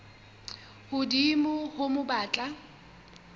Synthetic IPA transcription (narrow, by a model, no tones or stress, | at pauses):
hʊdimʊhʊmʊbaːt͡ɬʼa